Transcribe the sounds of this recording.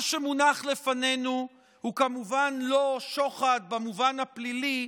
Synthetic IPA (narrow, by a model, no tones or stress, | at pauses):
ʃemunaχle̞fane̞nu | hukamuvanloʃo̞χad̪̚bamuvanhaplili